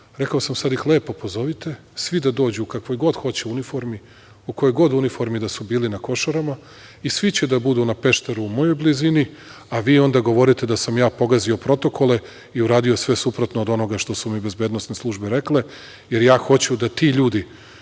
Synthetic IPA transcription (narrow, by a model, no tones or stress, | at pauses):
ɾe̞kaosamsad̪ixle̞ːpopozo̞ʋit̪e̞ | sʋid̪ad̪o̞ːd͡ʑukakʋojɡo̞d̪xo̞t͡ɕeunifo̞ɾmi | ukojojɡo̞d̪unifo̞ɾmid̪asubiːlinako̞ʃaɾama | isʋit͡ɕed̪abud̪unape̞ʃt̪eɾuːmo̞jo̞jblizini | aʋiːo̞nd̪aɡo̞ʋo̞ɾit̪e̞d̪asamjaːpo̞ɡazio̞pɾo̞t̪o̞kʰo̞le̞ | iuɾaːd̪iosʋesupɾot̪noːd̪o̞no̞ɡaʃt̪o̞sumibe̞zbe̞ːd̪no̞st̪neslˠuʒbeɾe̞kle | je̞ɾjaːxo̞t͡ɕud̪at̪iːʎuːd̪i